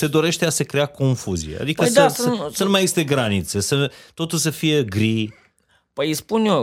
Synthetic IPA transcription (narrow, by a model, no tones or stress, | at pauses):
se̞d̪o̞ɾe̞ʃt̪easekɾeako̞ɱfuziḛa̰d̪ikəd̪asəsənumajest̪e̞ɡɾanit̪sesət̪o̞t̪uls̬əfije̞ɡɾi | pəjispunjo